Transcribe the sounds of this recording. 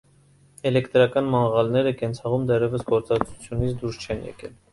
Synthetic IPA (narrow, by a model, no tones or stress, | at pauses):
ɛlɛkt̪ɾɑkɑnmɑɴʁɑlnɛɾəkɛnt͡sʰɑʁumd̪ɛrjɛvəsɡɔɾt͡sɑt͡sʰu̥t͡sʰjunit͡sʰd̪uɾst͡ʃʰɛnjɛ̰kɛ̰l